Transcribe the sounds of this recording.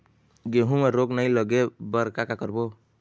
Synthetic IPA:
ɡeɦũmeɾoɡnaĩləɡebəɾkakakəɾbo

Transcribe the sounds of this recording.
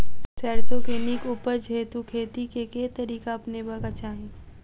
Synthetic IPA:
sɛːɾsokeːnikuːpəɾd͡ʒʱeːt̪ukʰeːt̪ikeket̪ɐɾiːkaɐpnebɐkat͡ʃaːɦĩː

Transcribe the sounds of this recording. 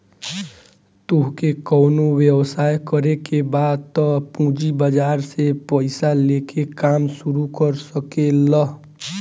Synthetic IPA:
t̪oɦkekɔʊnowjewsajkəɾekebad̪̚t̪ɔpũd͡ʒibəd͡ʒaɾsepəɪsalekekamsuɾukəɾsəkelə

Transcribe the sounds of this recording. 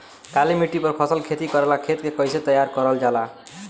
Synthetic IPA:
kalemiʈipʌrpʰʌsʌlkʰet̪ikʌɾelakʰet̪kekʌjset̪ʌjarkʌɾʌld͡ʒala

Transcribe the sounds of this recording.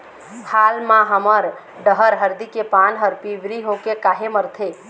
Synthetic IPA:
hʰalmãɦəməɾ | ɖəɦəɾɦəɾd̪ikepanɦəɾpiʋɾiɦokekaɦeməɾt̪ʰe

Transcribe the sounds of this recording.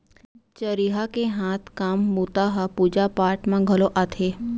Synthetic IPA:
t͡ʃəɾiɦakeɦãt̪ʰkamːut̪aɦapud͡ʒapaɾʈmãɡʱəloʔat̪ʰe

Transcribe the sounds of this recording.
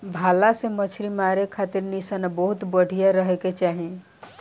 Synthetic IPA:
bʱaːlasemət͡ʃʰɾimaːɾekʰaːt̪ɪɾnisənabəɦʊt̪bəɽ̤ʱijaɾəɦeket͡ʃaːɦe

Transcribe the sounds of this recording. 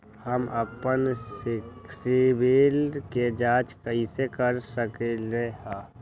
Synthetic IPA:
həməpən | sɪbilked͡ʒaːt͡ʃkəisekəɾsəkeleɦaː

